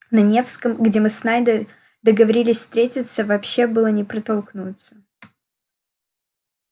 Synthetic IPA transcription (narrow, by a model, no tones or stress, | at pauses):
nɐnʲe̞fskəmɡdʲemɨsnajd̪ə | d̪əɡəvɐɾʲilʲɪsʲfst̪ɾʲetʲɪt̪səvɐpɕːe̞bɨlˠənʲɪpɾɐt̪olˠknut̪sə̥